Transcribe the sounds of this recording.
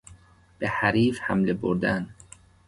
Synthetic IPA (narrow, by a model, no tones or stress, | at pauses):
b̥ehæɾiːfhæmleboɾd̪æn